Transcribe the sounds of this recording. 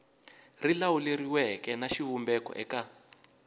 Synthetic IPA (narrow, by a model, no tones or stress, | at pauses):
rilawuleɾiwɛkɛnaʃiβumbɛkɔ̰ʔɛka